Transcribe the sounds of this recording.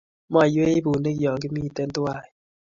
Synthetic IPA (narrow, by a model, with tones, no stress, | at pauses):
mɔ˦˨jwe˦i˦bu˨ne˦kjɔ˨ŋki˦miː˦˨t̪e˦nt̪u˦a˦˨j